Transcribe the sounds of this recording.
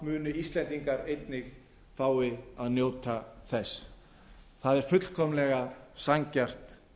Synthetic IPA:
mʏːnʏist̪lɛnt̪iŋkaɾejt̪nɪx | faːwɪaðnjoːwt̪aθɛs | θaðɛɾ̥fʏt̪l̥kʰɔmlɛɣasaɲcar̥t̪

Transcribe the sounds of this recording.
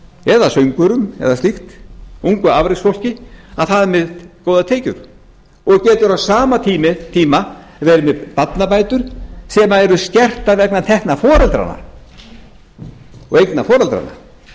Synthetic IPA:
ɛðasœɥŋkʏɾʏmɛ̰ðast̪ixt̪uŋkʏavɾɪksfɔwl̥cɪaðθaðmɪðkoːwðat̪ʰeːjcʏɾ̥ | ɔɣcɛːt̪ʏɾawsaːmat̪ʰiːmɪt̪ʰiːma | vɛɾɪmɛpat̪napaːjt̪ʏɾ̥sɛːmaɛɾʏscɛr̥t̪avɛknat̪ʰɛhknafɔːɾɛlt̪ɾa̰nːa̰ | ɔ̰ɣejknafɔːɾɛlt̪ɾa̰na̰

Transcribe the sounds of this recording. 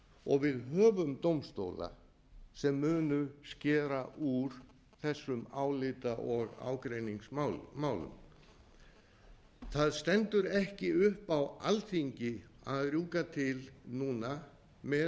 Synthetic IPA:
ɔɣvɪðɦœːvʏmt̪owmst̪o̰ːwla̰ | sɛmːʏːnʏscɛːɾaʔuɾ̥ | θɛsːʏmaːwlɪt̪aʔɔɣa̰ːwkɾejniŋsmaːwlʏ̰m | θaðst̪ɛnt̪ʏɾɛhcɪʏhpawalθiɲcɪaðrjuːkat̪ʰɪlnuːna | mɛ

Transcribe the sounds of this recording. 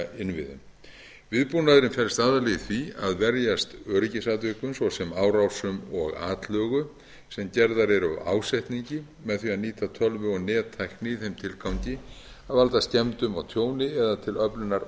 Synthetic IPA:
ɪnvɪ̰ðʏ̰m | vɪðpunaðɾɪnfɛlst̪aːðalɛjθviaðvɛɾjast̪œːɾɪcɪsat̪vɪkʏmsvɔsɛmaːwɾawsʏmɔɣa̰ːt̪lœːɣʏ | sɛmcɛɾðaɾɛɾ̰ʔa̰ːwsajht̪niɲcɪ | mɛðθiaðniːt̪ʰat̪ʰœlvʏɔɣnɛːt̪ʰːajknɪθejmt̪ʰɪlkʰawɲcɪ | aðvalt̪ascɛmt̪ʏmawt̪ʰjoːwnɪɛðat̪ʰɪlœpnʏnaɾ

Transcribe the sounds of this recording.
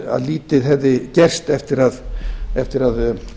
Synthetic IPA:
a̰ðliːt̪ɪðɦɛvðɪcɛr̥st̪ɛft̪ɪɾaðɛft̪ɪɾað

